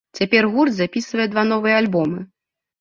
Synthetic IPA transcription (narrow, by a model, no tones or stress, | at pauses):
t͡sʲapʲɛrɣurd̪zapʲisvɐjɛd̪van̪ɔvɨjɛalʲbɔmɨ